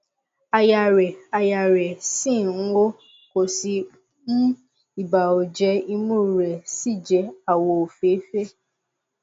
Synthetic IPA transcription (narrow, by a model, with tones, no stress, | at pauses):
a˧ja˨ɾɛ˨a˨ja˨ɾɛ˨sĩ˦˨˦wo˦ | ko˨si˧ | n̩˦ | i˨ba˨o˨d͡ʒɛ˧i˧mũ˦˨ɾɛ˨si˦˨d͡ʒɛ˧a˨wo˧o˨fe˨˦fe˦